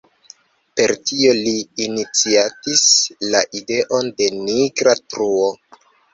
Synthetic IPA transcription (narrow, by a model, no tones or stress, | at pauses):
pe̞ɾtio̞liːnit͡siatislaʔide̞ʔo̞nde̞niɡɾatɾuo